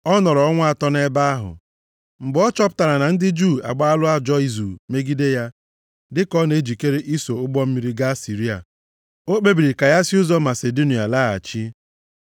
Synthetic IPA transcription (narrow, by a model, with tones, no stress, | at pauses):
ɔ˦nɔ˨ɾɔ˨ɔ˦ŋʷ˦a˨tɔ˦ne˦ba˦a˦ɦʊ̰˨ | ŋ͡m̩˨ɡ͡bɔ˦t͡ʃɔ˦pʊ̥˦ta˨ɾa˨na˨n̩˦dɪ˦d͡ʒu˦˨a̰˨ɡ͡ba˦a˦lʊ˦a˦d͡ʒɔ˦i˦zu˨me˦ɡi˦de˦ja˦ | dɪ˦kɔ˦ne˨˦d͡ʒi˨ke˦ɾe˦ʔi˦so˨ʊ˦ɡ͡bɔ˦m̩˦mi˦ɾi˦ɡa˦si˨ɾi˦a̰˨ | o˦k͡pe˦bi˨ɾi˨ka˨ja˦si˦ʊ˦zɔ˦ma˨se˨do˦ni˨a˨la˦a̰˨t͡ʃi˦